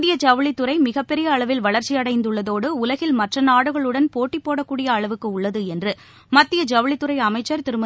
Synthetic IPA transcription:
d̪ɪjɐd͡ʒɐʋɐɭɪt̪ːɯɾɐɪmɪɣɐpːɛɾɪjɐːɭɐʋɪlʋɐɭɐɾt͡ʃːɪjɐɽɐɪnd̪ɯɭːɐðoːɽɯʊlɐɣɪlmɐʈrɐnaːɽɯɣɐɭɯɽɐnpoːʈːipːoːɽɐkːuːɽɪjɐːɭɐʋɯkːɯʊɭːɐðɯɛndrɯ | mɐt̪ːɪjɐd͡ʒɐʋɐɭɪt̪ːɯɾɐɪɐmɐɪt͡ʃːɐɾt̪ɪɾɯmɐ

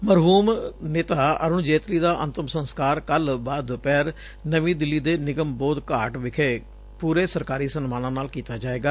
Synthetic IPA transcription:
məɾɦuːmneːt̪aːə̰ɾʊnd͡ʒeːt̪liːd̪aːʔənt̪əmsənskaːɾkəlbaːd̪pɛːɾ | nəʋĩːd̪ɪlːiːd̪eːnɪɡəmbɔːd̪kaːʈʋɪkʰeː | puːɾeːsəɾkaːɾiːsənmaːnãːnaːlkiːt̪aːd͡ʒaːeːɡaː

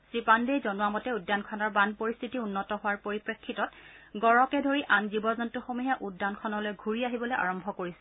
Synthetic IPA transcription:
sɹipandejzɔnuwamɔtɛudːankʰɔnɔɹbanpoɹist̪ʰitiunːɔtɔɦʊwaɹpoɹipɹekʰːitɔtɡɔɹɔkɛdʱoɹiʔanzibɔzɔntuxomuɦaʔudːankʰɔnɔlojɡʱuɹiaɦibɔlojʔa̰ɹɔmbʱɔkoɹisɛ̥

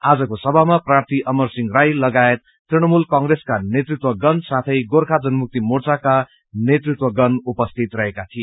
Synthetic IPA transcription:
ad͡zʌkosʌbʱamaprart̪ʰiʔʌmʌrsiŋɡrajlʌɡaet̪ːriɽ̃ʌmulkʌŋɡreskanet̪rit̪wʌɡʌnsat̪ʰʌjɡorkʰad͡zʌnmuk̚t̪imort͡saka | net̪rit̪wʌɡʌnupʌst̪ʰit̪rʌɦekat̪ʰie

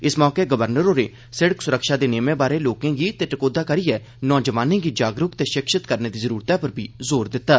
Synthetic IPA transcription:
ɪsmɔːkeːɡəʋəɾnəɾoːɾeː | sɪɽəksʊɾəkʃaːd̪eːneːmeːbaːɾeːloːkãːɡiːt̪eːʈəkoːd̪aːkəɾiːɛː | nɔːd͡ʒəʋaːnẽːɡiːd͡ʒaːɡɾʊkt̪eːʃɪkʃət̪kəɾneːd̪iːzəɾuːɾt̪aːpəɾbʱiːzoːɾd̪ɪt̪ːaː

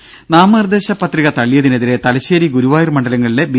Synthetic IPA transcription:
naːmɐrd̪e̞ːɕɐpːɐt̪riɣɐt̪ɐɭːijɐðine̞ðiɾe̞t̪ɐlɐɕeːɾiɡuɾuʋaːjirmɐɳɖɐlɐŋːɐɭile̞bi

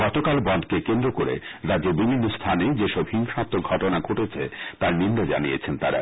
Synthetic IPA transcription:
ɡɔt̪okalbɔnd̪kekend̪ɾokoɾḛɾadd͡ʑeɾbibʱinːost̪ʰaned͡ʑeʃɔbhiŋʃãt̪ːoɡʱɔʈonaɡʱoʈet͡ɕʰḛt̪aɾninɖad͡ʑa̰niet͡ɕʰent̪aɾa̰

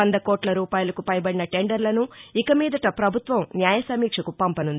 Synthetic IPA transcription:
ɐnd̪ɐkɔːʈlɐɾuːpaːjulɐkupɐjbɐɽinɐʈe̞ɳɖɐɾlɐnuikɐmiːd̪ɐʈɐpɾɐbʱut̪ʋɐmnjaːjɐsɐmiːkʂɐkupɐmpɐnund̪i

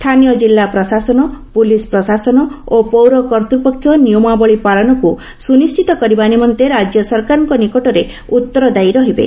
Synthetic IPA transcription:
st̪ʰanijɔd͡ʒilːapɾɔsasɔnɔpulispɾɔsasɔnɔopowɾɔkɔɾt̪ɾipɔkʰjɔniɔmabɔɭipaɭɔnɔku | sunist͡ʃʰit̪ɔkɔɾibanimɔnt̪eɾad͡ʒjɔsɔɾkaɾɔŋkɔnikɔʈɔɾe | ut̪ːɔɾɔd̪ajɾɔɦibḛ

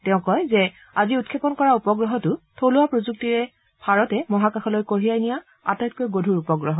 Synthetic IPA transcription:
tɛʊ̃kɔjzɛ | aziutkʰːepɔnkɔɹaupɔɡɹɔɦɔtʊtʰolʊwapɹozuk̚tiɹɛ | bʱaɹɔtɛmɔɦakaxɔlojkoɹijajnija | a̰tajt̚kojɡodʱuɹupɔɡɹɔɦɔ

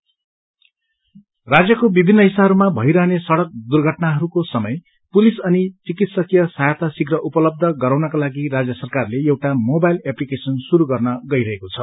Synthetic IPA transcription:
rad͡zjʌkobibʱinːʌɦisaɦʌɾumabʱʌiɾʌɦnesʌɽʌk̚d̪urɡʱʌʈnaɦʌɾukosʌmʌj | pulisʌnit͡sikit̪sʌkijʌsajt̪asiɡrʌʔupʌlʌb̚d̪ʱʌɡʌɾawnʌkalaɡirad͡zjʌsʌrkarleewʈamobajleplikesʌnsuɾuɡʌrnʌɡʌiɾʌɦekot͡sʰʌ

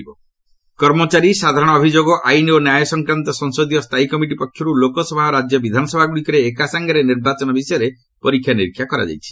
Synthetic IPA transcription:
bɔ | kɔɾmɔt͡ʃaɾisad̪ʱaɾɔɽ̃ɔɔbʱid͡ʒoɡɔʔajnionjajɔsɔŋkɾant̪ɔsɔŋsod̪ijɔst̪ʰajkɔmiʈipɔkʰːjɔɾulokɔsɔbʱaɔɾad͡ʒjɔbid̪ʱanɔsɔbʱaɡuɽikɔɾeːkasaŋɡaɾeniɾbat͡ʃɔnɔbisɔjɔɾe | pɔɾikʰːjaniɾikʰːjakɔɾa̰d͡ʒa̰jt͡ʃʰi̥

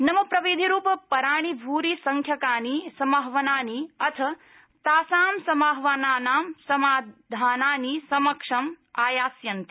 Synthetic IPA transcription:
nɐmɐpɾɐʋid̪ʱiɾuːpɐpɐɾaːɳ̃ibʱuːɾisɐŋkʰjɐkaːnisɐmaɦʋɐnaːniɐt̪ʰɐ | t̪aːsaːmsɐmaːɦʋɐnaːnaːmsɐmaːd̪ʱaːnaːnisɐmɐkʂɐmaːjaːsjɐnt̪i̥

